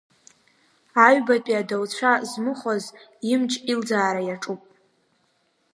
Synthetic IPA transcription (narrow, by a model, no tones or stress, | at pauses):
aɥbatʼiadawt͡ɕʷʰazmɨχʷaz | imt͡ʃʼild͡zaːɾajaʈ͡ʂʼupʼ